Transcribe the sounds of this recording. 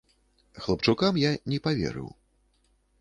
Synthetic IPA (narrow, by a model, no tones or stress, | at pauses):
xlˠapt͡ʂukamjanʲɛpavʲɛ̰ɾɨ̰w